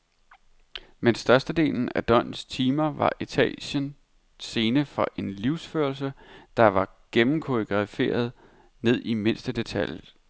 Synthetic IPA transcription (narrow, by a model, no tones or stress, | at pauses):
mensd̥ɶɐsd̥əd̥e̝̰ːln̩æd̥ɒ̽n̰st͡sʰiːmɐʋɑ̈ʔet͡sʰɛ̰ːɕən | se̝ːnəfɒ̽ʔe̝nliʊ̰sføɐlsəd̥ɑ̈ʋɑ̈ɡ̥emm̩kʰoiɡ̥ʁɑfe̝̰ːɐð̞ˠ | ne̝ð̞̰ˠime̝n̰sd̥əd̥e̝t͡sʰæl̰j̩